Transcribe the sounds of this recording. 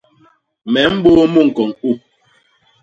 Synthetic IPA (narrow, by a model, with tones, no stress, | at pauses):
mɛ˨˦m̩˦bo˦mu˦ŋ̩˨kɔ˨ŋu˦